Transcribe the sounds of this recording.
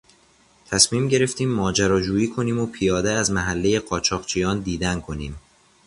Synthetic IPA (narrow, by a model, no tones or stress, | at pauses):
t̪ʰæsmiːmɟe̞ɾe̞ft̪iːmːɒːd͡ʒæɾɒːd͡ʒuːjiːkʰo̞niːmopʰijɒːd̪eæzmæɦælːe̞je̞ɢɒːt͡ʃʰɒːʁt͡ʃʰijɒːnd̪iːd̪ænkʰo̞niːm